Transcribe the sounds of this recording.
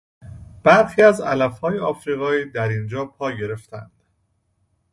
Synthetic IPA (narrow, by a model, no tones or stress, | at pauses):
b̥æɾxiːæzælæfhɒːjeɒːfɾiːɣɒːiːd̪æɾind͡ʒɒːpʰɒːɟe̞ɾe̞ft̪ʰæ̰nd̪̥